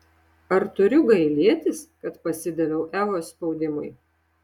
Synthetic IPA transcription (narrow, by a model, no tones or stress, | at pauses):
ɐɾt̪ʊɾʲʊɡɐɪlʲiɛt̪ʲɪskɐt̪pɐsʲɪd̪ʲɛlʲɛʊʔæːʋoːspɔʊd̪ʲɪmʊɪ